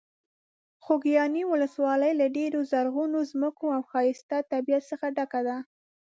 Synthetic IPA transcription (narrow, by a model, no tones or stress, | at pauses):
xoɡijɑniwʊləswɑləjlaɖeɾozaɾɣunozməkoawxɑjɪst̪at̪ːabijat̪səxaɖakad̪a